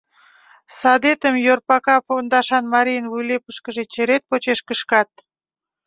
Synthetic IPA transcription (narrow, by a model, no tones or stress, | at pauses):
sɑd̪et̪əmjorpɑkɑpond̪ɑʃɑnmɑɾijənvujlepəʃkəʒet͡ɕeɾet̪̚pot͡ɕeʃkəʃkɑt̪̚